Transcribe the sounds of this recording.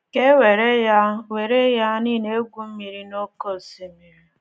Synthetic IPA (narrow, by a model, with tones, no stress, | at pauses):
ke˦we˨ɾe˦ja˦we˨ɾe˦ja˦ni˦˨ne˦ɡʷu˦m̩˦mi˨ɾi˦no˦ko˦˨si˨mi˨ɾi˨